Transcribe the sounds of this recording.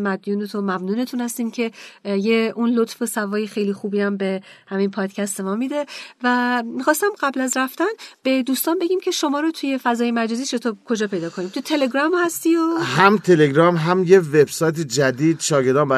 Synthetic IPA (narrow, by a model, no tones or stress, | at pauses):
mæd̪juːnet̪ʰomæmnuːne̞t̪ʰunhæst̪iːmcʰe̞jeʔunlot̪fo̞sævɒːjexejliːxuːbiːæmbe̞hæmipʰɒːd̪̥cʰæst̪e̞mɒːmid̪e̞væmixɒːst̪æmɢæblæzɾæft̪ænb̥e̞d̪uːst̪ɒːnbe̞ɟʲiːmcʰe̞ʃo̞mɒːɾot̪ʰuje̞fæzɒːjemæd͡ʒɒːziːʃet̪ʰɒːbkʰo̞d͡ʒɒːpʰe̞jd̪ɒːkʰo̞niːmt̪ʰut̪ʰe̞leɡɾɒːmhæst̪iːohæmt̪ʰeleɡɾɒmɦæmjevebsɒːjt̪̬ed͡ʒæd̪iːd̪ʃɒːɡeɾd̪ɒːmbæ